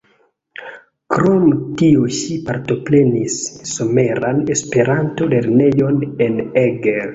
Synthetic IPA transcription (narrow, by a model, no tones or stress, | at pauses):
kɾomtiuʃipaɾto̞pɾenisːomeɾanespe̞ɾanto̞le̞ɾnejo̞neneɡeɾ